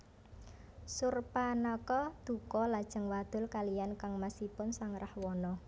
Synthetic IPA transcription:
surpanɔkɔd̪̥ṳkɔlad̥ʒ̥ə̤ŋwad̪̥ʊ̤lkalijankaŋmasipʊnsaŋrahwɔnɔ

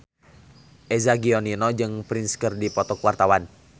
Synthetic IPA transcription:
ʔɛzaɡiɔninɔd͡ʒɨŋpɾinskɨrdipɔt̪ɔkwart̪awan

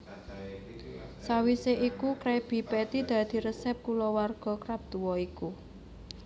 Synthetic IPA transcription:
sawiseʔikukɾɛb̥i̤pɛt̪id̪̥ä̤d̪̥i̤ɾəsɛp̚kulɔwarɡ̥ɔ̤kɾab̚d̪̥uwɔiku

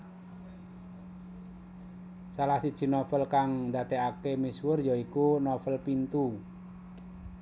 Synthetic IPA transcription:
salahsid̥ʒ̥i̤nɔfəlkaŋnd̪a̤t̪ɛakemiswʊrjɔikunɔfəlpint̪u

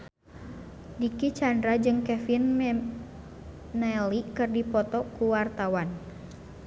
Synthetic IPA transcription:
dikit͡ʃandɾad͡ʒɨŋkɛfin | ɛlikɨrdipɔt̪ɔkuwart̪awan

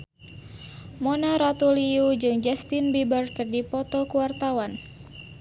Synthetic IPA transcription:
monaɾat̪uliud͡ʒɨŋd͡ʒɛst̪inbibər̚kɨrdipɔt̪ɔkuwart̪awan

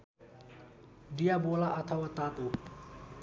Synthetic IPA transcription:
ɖijaːboːlaːʔət̪ʰəʋaːt̪aːt̪oː

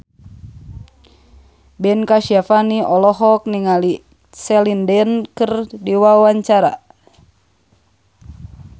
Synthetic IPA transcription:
bɛnkaʃafaniʔɔlɔɦɔk̚niŋali | sɛlindɛnkɨrdiwawaɲt͡ʃaɾa̰

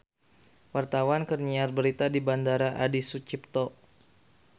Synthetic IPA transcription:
wart̪awankərɲiarbəɾit̪adibandaɾaʔadisut͡ʃip̚t̪ɔ

